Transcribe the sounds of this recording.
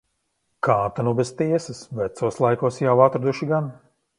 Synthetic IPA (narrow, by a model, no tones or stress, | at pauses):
kʰaːt̪anubezt̪iɛsɐsvæt̪suɔslˠajkuɔsjawat̪ɾad̪uʃiɡan